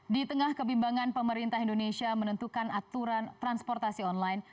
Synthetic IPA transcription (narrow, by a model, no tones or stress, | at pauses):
dit̪əŋahkəbimbaŋanpəməɾint̪aɦindonesiamənənt̪ukanat̪uɾant̪ɾanspɔrt̪asiɔnlajn